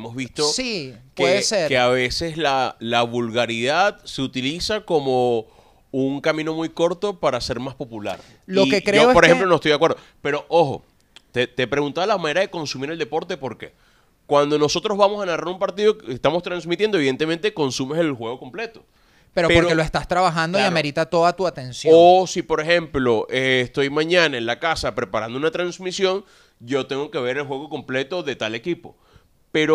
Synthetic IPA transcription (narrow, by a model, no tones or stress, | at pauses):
mozβist̪osikeðeseɾkeaβe̞se̞slalaβulɣaɾiðaðse̞ut̪ilisako̞mo̞ | uŋkamĩno̞mujko̞ɾt̪o̞paɾase̞ɾmaspo̞pula̰ɾ | lokekɾeooepoɾeemplonoest̪ojd̪akweɾðo | pe̞ɾo̞ʔoxo̞̰ | t̪et̪epɾe̞ɣunt̪aðolamaneɾaðe̞ko̞nsumiɾe̞ld̪e̞po̞ɾt̪e̞po̞ɾke̞̰ | kwand̪o̞no̞so̞t̪ɾo̞zβamo̞sanaraɾumpaɾt̪iðokest̪amost̪ɾansmit̪jendoiðe̞nt̪ement̪eko̞nsumeselxwe̞ɣo̞ko̞mple̞t̪o̞ | peɾoppoɾkeloest̪ast̪ɾaβaxand̪oiameɾit̪at̪o̞ðat̪uat̪ensjosipo̞ɾe̞xe̞mplo̞ʔest̪o̞jmãɲanaenlakasapɾe̞paɾa̰nd̪ounat̪ɾansmisjo̞ŋ | ɟ͡ʝo̞t̪e̞ŋɡoke̞βe̞ɾelxwe̞ɣo̞ko̞mple̞t̪o̞ðe̞t̪ale̞kipo̞̰ | pe̞ɾo